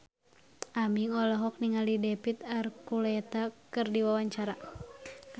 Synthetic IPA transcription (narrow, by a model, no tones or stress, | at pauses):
amiŋɔlɔɦɔk̚niŋalidɛpit̪arkulɛt̪akɨrdiwawaɲt͡ʃaɾa